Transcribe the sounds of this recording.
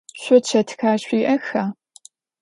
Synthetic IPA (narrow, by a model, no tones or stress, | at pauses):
ɕʷʊtt͡ʃʰɐtʰxaːɕʷiːʔɐxaː